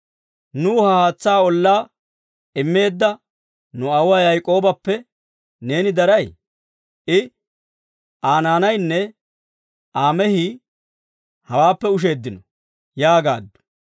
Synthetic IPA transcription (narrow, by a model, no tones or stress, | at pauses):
nuːhɐhaːt͡sːaːɔlːaː | ɪmːe̞ːd̪ːɐ | nʊɐwɐjɐjkʼo̞ːbɐpːɛ | ne̞ːnɪd̪ɐɾɐj | ʔɪ | ʔaːnaːnɐjnːɛ | ʔaːmɛhi | hɐwaːpːɛʊʃ̬e̞ːd̪ːɪnɔ | jaːɡa̰ːd̪ːʊ̥